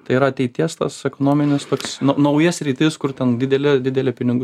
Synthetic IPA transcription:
t̪ɐɪiːɾɐɐtʲɛɪt̪ʲiɛst̪ɐ̰sɛkonoːmʲɪnʲɪst̪oːksnɐnɐʊjɛsɾʲiːt̪ʲɪːskʊrt̪ʲɛnd̪ʲɪd̪ʲɛlʲɪd̪ʲɪd̪ʲɛlʲɛpʲɪnʲɪɡʊ

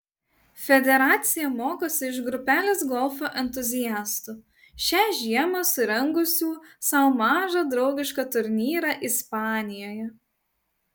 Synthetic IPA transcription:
fʲɛd̪ʲɛɾɑːt̪sʲɪjɛmoːkoːsʲɪɪʃɡɾʊpʲæːlʲeːsɡɔlˠfoːʔɛnʲt̪ʊzʲɪjæːst̪ʊ | ʃʲæːʒʲiɛmɐsʊɾʲɛŋɡʊsʲuːsɐʊmɑːʒɑd̪ɾɒʊɡʲɪʃkɑt̪ʊɾʲnʲiːɾɑˑʔɪspɑːnʲɪjoːjɛ

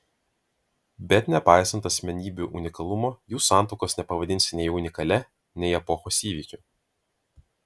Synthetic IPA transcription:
bʲɛt̪ʲnʲɛpɑˑɪsɐnt̪ɐsʲmʲɛnʲiːbʲuʔʊnʲɪkɐlˠʊmoːjuːsɑˑnt̪ɔʊkoːsnʲɛpɐʋɐd̪ʲɪnʲsʲɪnʲɛɪʊnʲɪkɐlʲɛ | nʲɛɪɛpɔxoːsiːʋʲiːkʲu

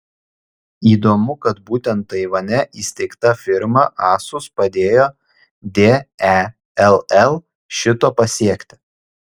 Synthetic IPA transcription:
iːd̪oːmʊkɐt̪buːt̪ʲɛnt̪ːɐɪʋɐnʲɛʔiːsʲt̪ʲɛɪkt̪ɐfʲɪɾmɐʔɑːsʊspɐd̪ʲeːjoː | d̪ʲeːæ | ɛlˠɛlˠ | ʃʲɪt̪oːpɐsʲiɛkʲt̪ʲɪ̥

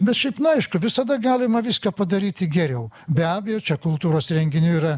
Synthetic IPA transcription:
bʲɛt̪ʃʲɛɪpnʊɐɪʃkʊʋʲɪsɐd̪ɐɡɑːlʲɪmɐʋʲiːskɑːpɐd̪ɐɾʲiːt̪ʲɪɡʲɛɾʲɛʊbʲæːbʲɛjoːt͡ʃʲɛkʊlˠt̪uːɾoːsɾʲɛŋʲɡʲɪnʲuːiːɾɐ

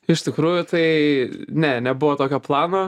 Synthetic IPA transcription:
ɪʃʲt̪ʲɪkɾuːjʊt̪ɐɪnʲɛnʲɛbʊʋoːt̪oːkʲoːplˠɑːnoː

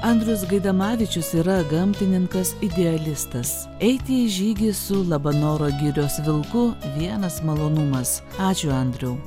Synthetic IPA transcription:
ɐnʲd̪ʲɾʲʊsɡɐɪd̪ɐmɑːʋʲɪt͡ʃʲʊsiːɾɐɡɐmʲt̪ʲɪnʲɪŋkɐsɪd̪ʲɛɐlʲɪst̪ɐs | ɛɪt̪ʲɪʒʲiːɡʲɪsʊlˠɐbɐnoːɾoːɡʲɪɾʲoːsʋʲɪlˠkʊʋʲiɛnɐsmɐlˠoːnʊmɐs | ɑːt͡ʃʲʊɐnʲd̪ʲɾʲɛʊ

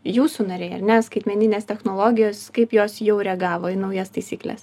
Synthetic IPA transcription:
juːsuːnɐɾʲeːɐ̰ɾʲnʲɛskɐɪt̪ʲmʲɛnʲɪnʲeːst̪ʲɛxnoːlˠoːɡʲɪjoːskɐɪpjoːsjɛʊɾʲɛɡɑːʋoːɪnɐʊjɛst̪ɐɪsʲiːklʲɛ̰s

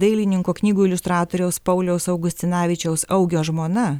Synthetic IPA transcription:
d̪ɐɪlʲɪnʲɪŋkoːknʲiːɡuːɪlʲʊst̪ɾɑːt̪oːɾʲɛʊspɐʊlʲɛʊsɐʊɡʊsʲt̪ʲɪnɑːʋʲɪt͡ʃʲɛʊsɐʊɡʲoːʒmoːnɐ

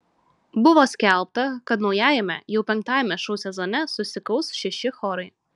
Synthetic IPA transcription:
bʊʋɔːsʲkʲɛlʲˠp̚t̪ɐkɐt̪nɒʊjæːjɛmʲɛ̰jɛʊpʲɛŋk̚t̪ɑːjɛmʲɛʃuːsʲɛzɔnʲɛsʊsʲɪkɐʊsʃʲɛʃʲɪxɔːɾɐɪ

